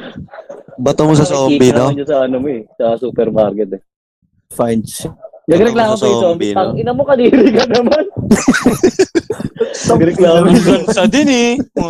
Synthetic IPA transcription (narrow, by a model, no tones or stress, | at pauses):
bɐt̪omosɐsoːiːbɪnoɐnɐsɐɐnomoɛsɐsuːpɛɾmaɾkɛt̪ɛ | fajnsnɐɡɾɛklaːmosɐɪt̪oɐŋʔɪnɐmokɐɾiːɾikɐnɐmɐn | ɐɡɾɛklaːmoɐsɐd̪ɪnɛ